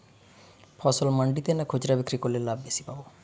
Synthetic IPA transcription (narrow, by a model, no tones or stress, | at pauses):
pʰɔsɔlməɳɖit̪enakʰod͡ʒɾabikɾikolelabesi̥pabo